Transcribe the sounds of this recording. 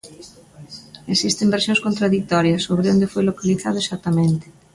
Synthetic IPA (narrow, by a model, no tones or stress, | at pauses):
esist̪embeɾsjõŋskont̪ɾaðik̚t̪ɔɾjɐsoβɾeond̪efojlokaliθað̞ʊesat̪ːamẽnt̪ɪ̥